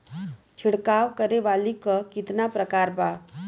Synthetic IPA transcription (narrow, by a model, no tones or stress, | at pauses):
t͡ʃʰiɽkaːʋkəɾeʋalikəkɪt̪napɾəkaːɾba